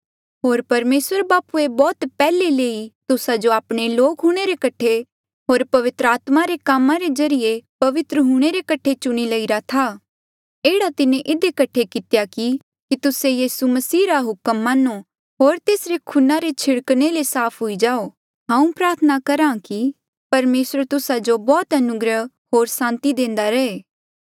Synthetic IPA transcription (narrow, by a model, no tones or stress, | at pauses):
ɦoːɾpɐɾmeːswəɾbaːpuebɔːt̪pɛːleleːit̪ʊsad͡ʒoaːpɽ̃eloːkɦʊɽ̃eɾekɐʈʰe | ɦoːɾpɐʋɪt̪ɾəaːt̪maɾekaːmãɾezɐɾijepɐʋɪt̪ɾəɦuɽ̃eɾekɐʈʰet͡ʃʊɽ̃ilɐiɾat̪ʰaː | eːɽat̪ɪnẽʔɪd̪ekɐʈʰekɪt̪jaki | kit̪ʊsejiːsumɐsiːɾaɦʊkəmːãːnu | ɦoːɾt̪eːsɾekʰʊnaɾet͡ʃʰɪɽkñelesaːpʰɦʊid͡ʒaːo | ɦãːũpɾaːɾt̪ʰənakɐɾãki | pɐɾmeːsɾət̪ʊsad͡ʒobɔːt̪ɐnʊɡɾəɦ | ɦoːɾsãːnt̪id̪ẽːnd̪aɾɐeː